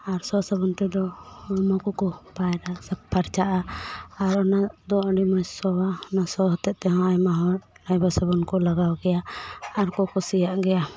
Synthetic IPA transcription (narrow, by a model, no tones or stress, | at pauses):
aɾsɔsəbɔnt̪ɛd̪ɔɔmɔkɔkɔpajɾasab̚paɾt͡ʃaʔaːɾɔnad̪ɔəɖimɔjsɔwaɔnasɔɦɔt̪ɛʔ̪̚t̪ɛɦɔ̃ajmaɦɔ̃ | ajbasəbɔnkɔlaɡawɡɛjaaːɾkɔkɔsijaʔɡɛja